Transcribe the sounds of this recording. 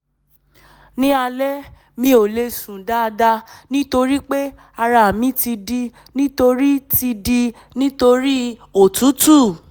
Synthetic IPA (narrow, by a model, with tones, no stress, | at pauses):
nĩ˦a˧lɛ˦ | mĩ˧˦o˨le˧sũ˨da˦˧da˧nĩ˦to˧ɾi˦k͡pe˦ | a˧ɾa˨mĩ˦ti˧di˧ | nĩ˦to˧ɾi˦ti˧di˧ | nĩ˦to˧ɾi˦o˨tu˨˦tu˦˨